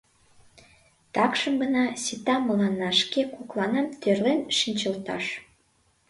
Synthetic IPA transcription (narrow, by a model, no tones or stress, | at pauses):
t̪ɑkʃəmɡə̆nɑsit̪ɑmɤlɑnːɑʃkekuklɑnɑmt̪ørlenʃinʲt͡ɕə̆lt̪ɑ̰ʃ